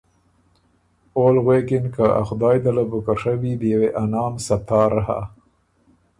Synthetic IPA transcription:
oːlɣwekɪnkaʔa̰xd̪ɑːjd̪alabʊkaʂawid̪əjaweʔanɑːmsat̪ʰɑːɾaɦa̰

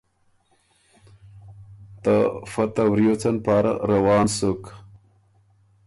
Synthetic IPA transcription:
t̪ɐfɐt̪ɐwɾjot͡sɐnpaːɾɐ̰ɾɐwɑːnsuk

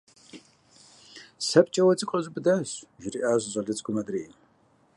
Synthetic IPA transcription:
sɐpʼt͡ʃʼɐwɐt͡sʼiqʼɐzʷbɨdaɕʒɪɾiʔaːʑʷɕʼɐɮɨt͡sʼɡʷʊmɐdriːʔ

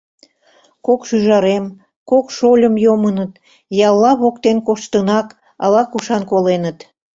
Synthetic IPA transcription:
kokʃyʒɑɾem | kokʃolʲəmjomənət̪ | jɑlˠːɑβokt̪enkoʃt̪ənɑk | ɑ̰lɑkuʃɑnkolenət̪

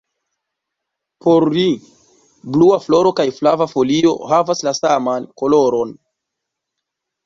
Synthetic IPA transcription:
po̞ɾli | bluaflo̞ɾo̞kajflavafo̞lio̞̰havaslasamanko̞lo̞ɾo̞n

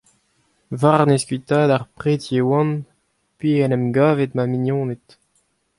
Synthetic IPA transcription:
vaʁneskɥit̪aːd̪aʁpχeːt̪jewɑ̃n | pɥiɛnɛmɡaːvet̪maminjɔ̃ːnet̪

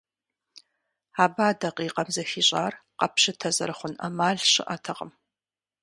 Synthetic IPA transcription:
aːbaːdɐqiːqʼɐmzɐfiːɕʼaːrqɐpɕɨtʰɐzɐ̰ɾɨχʷʊnɐ̰maːɮɕɪ̰ʔaːtʰɐqʼə̰m

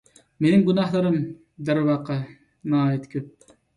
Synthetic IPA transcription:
menɪmɡunɑɦlˠɨɾɨm | d̪æɾwɑːqʰːɑ | nɑɑːjet̪kʲʰøp̚

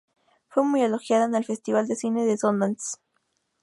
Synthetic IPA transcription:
fwemujelo̞xjaðaenelfe̞st̪iβ̞ald̪e̞sine̞ðesond̪ans

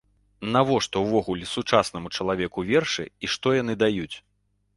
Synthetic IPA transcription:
navɔʂt̪ɔwvɔɣulʲɛsut͡ʂasnɐmut͡ʂɐlˠavʲɛkuvʲɛrʂɨ̰iʂt̪ɔjan̪ɨd̪ajut͡sʲ

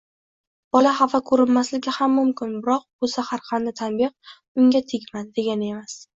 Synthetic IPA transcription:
b̥ɒlahafakʰɵɾɪnmaslɪɡʲɪhamːʊmkʲɪnbɪɾɒq̚bʊsahaɾqʰand̪at̪ʰanbɪq̚ | ʊŋɡʲat̪ʰeɡʲmand̪e̞ɡʲane̞mas

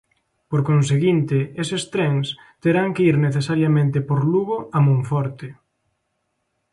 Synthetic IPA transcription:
poɾkons̬eɣint̪ɪesest̪ɾɛŋs | t̪eɾaŋkeiɾneθesaɾjamẽnt̪ɪpoɾluɣoʔamũɱfɔɾt̪ɪ

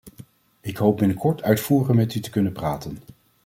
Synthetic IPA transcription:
ɪkɦowp̚bɪnəkʰɔɹtʰœɥtfuːɹəχəmɛtytə̥kɵnənpraːtən

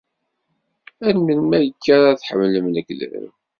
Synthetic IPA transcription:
ænmənmæjəkːæɾaθħəmːləmnəklə̰ɾ̰m

